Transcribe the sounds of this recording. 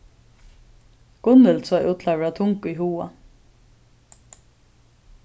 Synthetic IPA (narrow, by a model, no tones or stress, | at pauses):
ɡ̥ʊnəlsɔːʔuːt̪ʰlaʋɾɑt̪ʰʊŋkʊiːhuːɑ̰